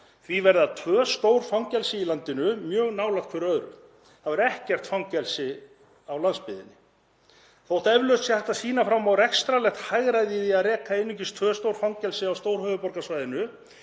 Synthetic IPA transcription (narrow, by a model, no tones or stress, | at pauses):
θvivɛɾðat̪ʰvœːst̪owɾ̥fawŋcɛlsɪilant̪ɪnʏmjœːɣnaːwlaxt̪kʰvɛɾœðɾʏ̰ | θavɪɾɛhcɛr̥t̪fawŋcɛlsɪ | awlanspɪðɪ̰nːɪ | θowt̪aɛvlœɥt̪sjɛθɛht̪asiːnafɾamawrɛkst̪ɾalɛxt̪hajɣɾaðɪiθiaðɾɛːkaenːʏɲcɪst̪ʰvœːst̪owɾ̥fawŋcɛlsɪawst̪owɾhœːvʏpɔɾkasvajðɪnʏ